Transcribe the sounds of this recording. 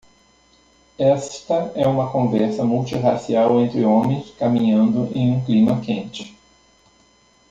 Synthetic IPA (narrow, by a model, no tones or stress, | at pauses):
ɛst̪ɐɛũmɐkõvɛɾsɐmuwt͡ʃiʁasiawẽnt̪ɾɪõmẽj̃skamĩɲɐ̃nd̪ʊʔẽj̃ũklĩmɐkẽnt͡ʃɪ̥